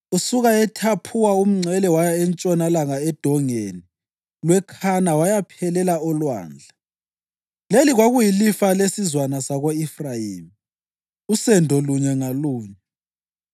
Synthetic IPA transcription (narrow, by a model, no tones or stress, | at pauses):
usuɣaɛtʰapʰuwaum̩ŋ͡ǀʱɛlɛwajaɛnt͡ʃʼɔnalaŋaɛd̥ʱɔŋeni | lwɛkʰanawajapʰɛlɛlaɔlwa̰ːnd͡ɮʱa | leliɣwaɣujilifalesizwanasaɣoifrajiːmi | usɛndʱɔluɲɛŋaluːɲɛ